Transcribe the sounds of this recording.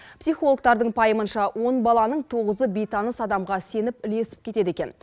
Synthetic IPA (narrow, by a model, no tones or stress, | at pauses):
psijχolˠək̚t̪ɑɾd̪əɴpʰɑjəmənʃɑwʔo̞nbɑlˠɑnəɴt̪ʰo̞ʁəzəbe̞jt̪ʰɑnəsɑd̪ɑmʁɑse̞nɪpɪle̞sɪ̥p̚kʲʰe̞t̪e̞d̪ekʲe̞n